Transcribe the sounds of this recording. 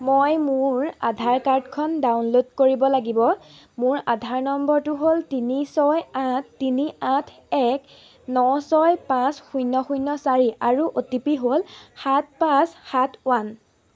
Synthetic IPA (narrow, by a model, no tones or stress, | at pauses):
mojmʊɹadʱaɹkaɹdkʰɔndawnlodkoɹibɔlaɡibɔ | mʊɹadʱaɹnɔmbɔɹtʊɦoltinisɔjatːiniãtʰ | ɛk | nɔsɔjpãsxujnːɔxujnːɔsaɹiʔaɹuʔotipiɦolxat̚pãsxatʰwan